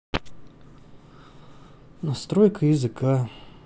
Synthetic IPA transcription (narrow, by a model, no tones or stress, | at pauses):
nɐst̪ɾojkəizɨka